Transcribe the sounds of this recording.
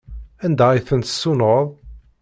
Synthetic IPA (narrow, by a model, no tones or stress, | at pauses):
ænd̪æiθənt̪sːunəðˤ